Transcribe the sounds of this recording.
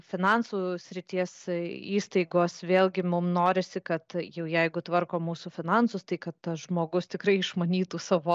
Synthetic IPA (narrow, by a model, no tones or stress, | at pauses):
fʲɪnɑnsuːsʲɾʲɪt̪ʲiɛsiːst̪ɐɪɡoːsʋʲeːlʲɡʲɪmʊmnoːɾʲɪsʲɪkɐt̪jɛʊjɛɪɡʊt̪ʋɐrkoːmuːsufʲɪnɑnsʊst̪ɐɪkɐt̪tɐsʒmoːɡʊst̪ʲɪkɾɐɪɪʃmɐnʲiːt̪uːsɑːʋoː